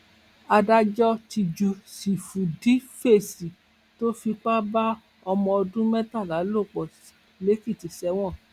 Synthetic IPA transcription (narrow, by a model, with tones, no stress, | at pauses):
a˧da˧d͡ʒɔ˦ti˧d͡ʒu˨˧si˨fu˨di˨˦fe˦˨si˨ | to˦fi˧k͡pa˦ba˦ | ɔ˧mɔ̃˧ɔ˧dũ˦mɛ̃˦ta˦˨la˨˦lo˦˨k͡pɔ˨s | le˨˦ki˦˨ti˨sɛ˧w̃ɔ̃˦˨